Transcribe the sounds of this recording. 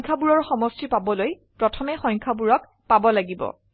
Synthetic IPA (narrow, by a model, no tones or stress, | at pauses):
ŋkʰabuɹɔɹxɔmɔstipabɔloj | pɹɔtʰɔmɛxɔjŋkʰabuɹɔk | pabɔlaɡibɔ̰